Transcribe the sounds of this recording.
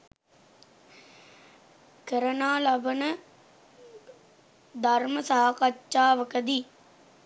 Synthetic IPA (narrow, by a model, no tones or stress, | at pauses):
kəɾənaːlɐbənə | d̪ʱaɾməsaɦakat͡ʃːt͡ʃaːʋəkəd̪i